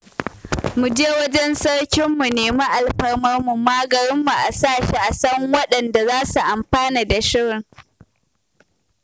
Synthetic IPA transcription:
mu˨d͡ʒe˦wɐ˦d͡ʒɛ˦nsɐ˦ɽkʲɪ˦mːu˨neː˨mu˦ʔa˨lɸɐ˦rmɐ˦rmu˨maː˦ɡɐ˨ɾɪ˦mːu˨ʔa˨saː˦˨ʃi˨ʔa˨sɐ˦ŋwɐ˦ɗɐ˨nda˨zaː˦su˨ʔa˨mɸaː˦niː˨da˨ʃɪ˦ɽɪ˨ŋ

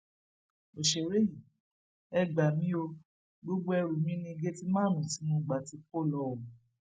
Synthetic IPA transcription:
o˨ʃe˨ɾe˦ji˨ | ɛ˧ɡ͡ba˨mĩ˦o˧ | ɡ͡bo˦ɡ͡bo˦ɛ˧ɾu˨mĩ˦nĩ˧ɡe˦ti˦mãː˦˨nũ˨si˨˦nũ˦˨ɡ͡ba˨ti˧ko˦˨lɔ˧˦wɔ˨

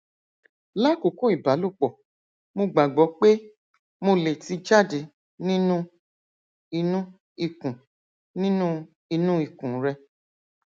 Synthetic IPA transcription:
la˦ko˨˦ko˦˨i˨ba˨˦lu˦˨k͡pɔ˨ | mo˧ɡ͡ba˨ɡ͡bɔ˨˦k͡pe˦ | mo˧le˨ti˧d͡ʒa˦˨de˨˦ | nĩ˦nũ˦ | i˧nũ˦ | i˨kũ˨ | nĩ˦nũ˦ | i˧nũ˦i˦˨kũ˨˦ɾɛ˧

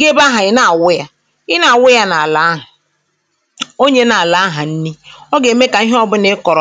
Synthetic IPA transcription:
ɡe˦ba˦ɦa˨ɪ˦na˨wʊ˦ja˨ | ɪ˦na˨a˨wʊ˦ja˦na˨a˨la˨˦ɦʊ˨ | o˦ɲe˦na˨a˨la˨a˦ɦa˨n̩˦ni˦ɔ˦ɡe˨˦me˦ka˨i˦ɦɔ˦bʊ˦ne˦kɔ˨ɾɔ˨

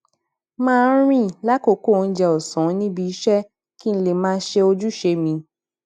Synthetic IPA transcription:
mãː˦˧˦ɾ̃ĩ˦la˦ko˨ko˦˨n̩˦d͡ʒɛ˧ɔ˨sɔ̃˨˦nĩ˦bi˧˦i˦ʃɛ˦ | ki˦n̩˧˦le˨mãː˦˧˦ʃe˧o˧d͡ʒu˦ʃe˧mĩ˧

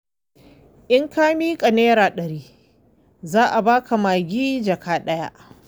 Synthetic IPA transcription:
ʔɪ˦ŋkaː˦miː˦kʼɐ˨neː˦ɾaː˨ɗɐ˨ɾiː˦ | zaː˦ʔa˨baː˦ka˨maː˨ɡʲiː˦d͡ʒɐ˨kʰaː˦ɗɐ˦ja̰˦ʔ

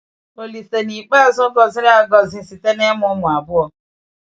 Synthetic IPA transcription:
o˨li˨se˨ni˨k͡pa˦˨zʊ˦ɡɔ˦zɪ˦ɾa˦˨ɡɔ˦zɪ˦si˨te˦ne˦mʊ˦mʊ̃˨a˨bʊ˦ɔ˨

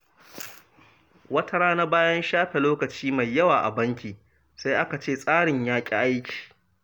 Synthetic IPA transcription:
wɐ˦tʰɐ˦ɽaː˦na˦baː˦jɐ˦nʃaː˦ɸe˨loː˦kɐ˨t͡ʃiː˦ma˨jːɐ˦waː˨ʔa̰˨bɐ˦ŋkʲiː˨ | sa˦jʔa˦ka˨t͡ʃeː˦˨sʼaː˦ɽɪ˨ɲjaː˦kʲʼḭ˦ʔa˦jkʲi̥ː˨

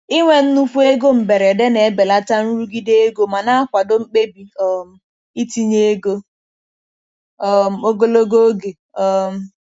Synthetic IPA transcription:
i˦ŋʷe˦˨n̩˦nu˦fu˦e˦ɡo˦m̩˨be˨ɾe˨de˦ne˨˦be˨la˦ta˦n̩˦ɾu˦ɡi˦de˦e˦ɡo˦ma˨na˦a˦kʷa˨do˦ŋ͡m̩˦k͡pe˦bi˨ɔ˨m̩˨ | i˦ti˦ɲe˦e˦ɡo˦ | ɔ˦m̩˦o˦ɡo˦lo˦ɡo˦ɡe˨ | ɔ˨m̩˦

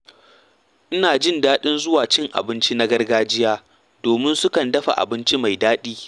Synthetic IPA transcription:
ʔɪ˦naː˨d͡ʒɪ˦ndaː˦ɗɪ˦nzʊ˦waː˨t͡ʃɪ˦ŋʔa̰˨bɪ˦nt͡ʃi˦na˦ɡɐ˦rɡaː˦d͡ʒɪ˦jaː˦ | d̥oː˨mɪ˦nsʊ˦kɐ˨ndɐ˦ɸa̰˨ʔa̰˨bɪ˦nt͡ʃi˦ma˨jdaː˦ɗiː˦

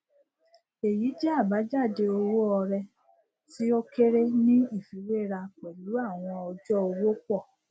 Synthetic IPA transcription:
e˨ji˨˦d͡ʒɛ˦a˦˨ba˨˦d͡ʒa˦˨de˧o˧wo˦ɔ˧ɾɛ˧ | ti˨˦ɔ˦ke˦ɾe˦nĩ˦i˦˨fi˨˦ɾe˦˨ɾa˧k͡pɛ˨lu˨˦a˦˨w̃ɔ̃˧ɔ˧d͡ʒɔ˦o˧wo˦k͡pɔ˦˨

